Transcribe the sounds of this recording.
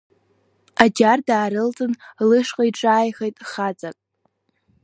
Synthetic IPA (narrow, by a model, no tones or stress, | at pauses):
ad͡ʒardaːɾɨlt͡sʼɨnlɨʂqʼaiʈ͡ʂʼaːjχejtʼχat͡sʼakʼ